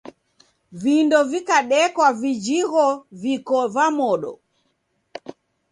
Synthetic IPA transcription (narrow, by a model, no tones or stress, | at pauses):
vindɔvikaɗɛkwavid͡ʒiɣɔvikɔvamɔɗɔ̰